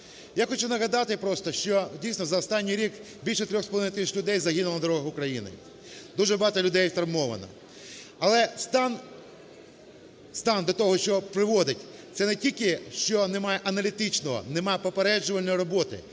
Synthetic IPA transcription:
jaxɔt͡ʃunɐɦɐd̪ɑt̪ɪpɾɔst̪ɔʃt͡ʃɔdʲijsnɔzɐɔst̪ɑnʲːijɾʲik | bʲilʲʃɛt̪ɾʲɔxsplˠʋɪnt̪isʲɐ̥t͡ʃʲlʲʊd̪ɛjzɐɦinʊlˠɐnɐd̪ɔɾɔɦɐɣʊkɾɐjinɪ̰ | d̪uʒɛbɐɦɑt̪ɔlʲʊd̪ɛjt̪ɾɐmɔʋɐ̰nɐ̰ | ɐlˠɛst̪ɑn | st̪ɑnd̪ɐt̪ɔɦɔʃt͡ʃɔpɾɪʋɔd̪ɪtʲt̪sɛnɛtʲilʲkɪʃt͡ʃɔnemajɛʔɐnɐlʲit̪ɪt͡ʃnɔɦɔ̰nemajɛpɔpeɾɛd͡ʒʊʋɐlʲnɔjɾɔbɔt̪ɪ̰

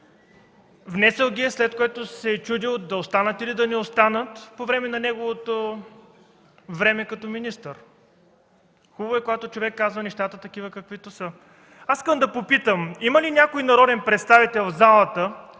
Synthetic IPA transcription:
vnɛsɛlˠɡʲiɛslɛt̪̚koɛt̪osɛt͡ʃud̪ilˠd̪ɐost̪anət̪ilid̪ɐnɛost̪anət̪povɾɛmɛnɐnɛɡovot̪o | vɾɛmɛkɐt̪ɔminist̪əɾ | xubboɛkoɡat̪ot͡ʃovɛkːazvɐnɛʃt̪at̪ət̪ɐk̟ivəkɐkvit̪osə | asi̥skəmd̪ɐpopit̪əmiməlinʲjakoinɐɾɔd̪ɛnpɾɛt̪st̪avit̪ɛlˠvzalˠət̪ə

